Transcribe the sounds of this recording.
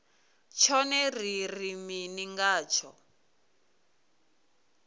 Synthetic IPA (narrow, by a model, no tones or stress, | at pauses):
t͡ʃʰɔnɛririminiŋɡaːt͡ʃʰɔ